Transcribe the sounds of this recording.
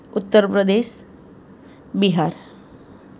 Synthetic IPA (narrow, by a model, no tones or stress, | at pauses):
ʊt̪ːəɾpɾəd̪eːʃ | biɦaɾ